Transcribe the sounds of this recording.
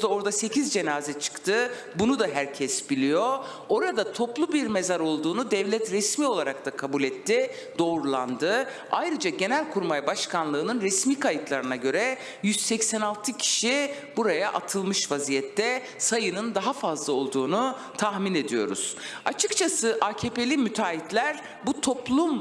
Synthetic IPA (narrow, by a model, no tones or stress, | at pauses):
d̪ao̞ɾd̪ase̞cʰizd͡ʒe̞naːzɛt͡ʃʰɯ̥kt̪ʰɯ | bunud̪aɦæɾcʰɛsbilʲijo̞ | o̞ɾad̪at̪ʰo̞plˠubiɾme̞zaɾo̞lˠd̪uːnud̪ɛvlʲɛt̪ɾɛsmio̞lˠaɾak̚t̪akʰabulʲɛt̪ːi | d̪̥o̞ːɾulˠa̰nd̪ɯ | ajɾɯd͡ʒaɟe̞nælʲkʰuɾmajbaʃkanlˠɯːnɯnɾɛsmiːkʰajɯt̪lˠaɾɯnaɟø̞ɾɛ | jyz̥sɛcsɛnalˠt̪ʰɯcʰi̥ʃi | buɾajaʔat̪ʰɯlˠmɯʃvazijɛt̪ʰːɛ | sajɯnɯnd̪aɦafazlˠao̞lˠd̪uːnu | t̪ʰaxmine̞d̪ijo̞̰ɾṵz̥at͡ʃʰɯkt͡ʃʰasɯʔaːcʰepe̞lʲimyt̪ʰaːit̪lʲæɾ | but̪ʰo̞plˠum